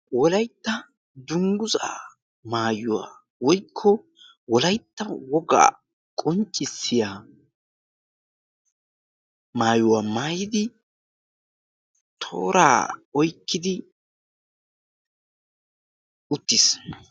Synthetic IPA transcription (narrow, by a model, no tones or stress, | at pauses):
wɔlɐjt̪ːɐ | d̪ʊŋɡʊza̰ː | maːjʊwa̰ː | wɔjkʰːɔ | wɔlɐjt̪ːɐwɔɡa̰ː | kʼɔnt͡ʃʼːɪsːɪjaː | maːjʊwaːmaːjɪd̪ɪ | t̪ʰo̰ːɾa̰ːɔjkːɪd̪ɪ | ʊt̪ːɪs